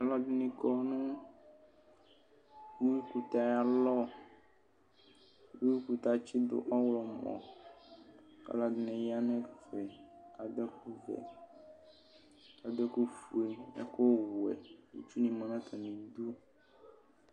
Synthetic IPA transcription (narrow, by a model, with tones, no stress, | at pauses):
a˨la˦di˨nĩ˨kɔ˦nũ˦ | wu˦i˦ku˨t̪a˨ja˨lɔ˦ | wu˦wi˦ku˨t̪a˨t͡ʃi˦d̪o̰˨ʔɔ˦wlɔ˨mɔ̰̃˨ | a̰˨la˨di˨nɛ̃˨ja˦nɛ̃˦fe˨ka˨d̪ɛ˦ku˦vɛ̰˨ | ka˨d̪ɛ˦ku˦fu˨e˨ḛ˦ko˦wu˨ɛ̰˨ḭ˨t͡ʃu˦nĩ˨mã˨nã˦t̪ʰa˨nĩ˨d̪u˦